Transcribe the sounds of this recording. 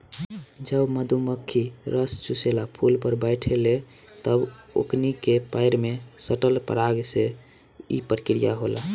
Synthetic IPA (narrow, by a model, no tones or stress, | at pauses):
d͡ʒəbməd̪ʱuməkʰːiɾəst͡ʃuselapʰulpəɾbəɪʈʰele | t̪əbo̰knikepaɪɾmesəʈəlpə̰ɾaɡse | ḭpɾəkɾijaɦola̰